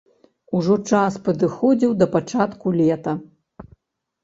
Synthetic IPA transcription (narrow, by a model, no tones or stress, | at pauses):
uʐɔt͡ʂaspɐd̪ɨxɔd͡zʲiwd̪ɐpat͡ʂat̪kulʲɛt̪ɐ